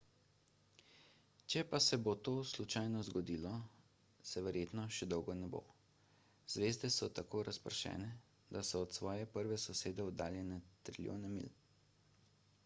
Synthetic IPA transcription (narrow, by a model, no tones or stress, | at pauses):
t͡ʃɛpasɛbot̪oːslut͡ʃajnɔzɡɔd̪iːlɔ | sɛʋɛɾjeːt̪nɔʃɛd̪ɔwɡɔnɛbo̰ | z̥ʋeːzd̪ɛsɔt̪akoːɾʔaspəɾʃɛ̰ːnɛ | d̪asɔːt̪sʋɔːjɛpəɾʋɛsɔseːd̪ɛɔd̪aːljɛnɛt̪ɾilʲjo̰ːnɛmḭl